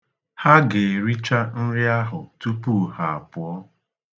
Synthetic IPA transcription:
ha˦ɡɪ˨ɾi˦t͡ʃa˦n̩˦ɾɪ˦a˦ɦʊ˨tu˦pu˦˨ha˨a˨pʊ˨ɔ˦

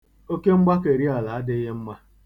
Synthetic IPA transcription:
o˦ke˦ŋ͡m̩˦ɡ͡ba˦ke˨ɾi˦a˨la˨a˦dɪ˦ɦe˦ŋ͡m̩˦ma˦

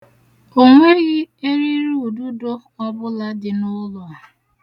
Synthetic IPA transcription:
o˨ŋʷe˦ɣɪ˦e˦ɾi˦ɾu˦u˨du˦do˦ | ɔ˦bʊ˦la˦dɪ˨nʊ˦lʊ˨

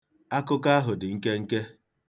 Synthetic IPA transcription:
a˦kʊ˦ka˦a˦ɦʊ˨dɪ˨ŋ̩˦ke˦ŋ̩˦ke˦

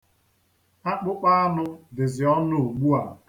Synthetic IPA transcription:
a˦k͡pʊ˦k͡pa˦a˦nʊ˦dɪ˨zɪ˨ɔ˦nʊ˦˨o˨ɡ͡bu˦a˨

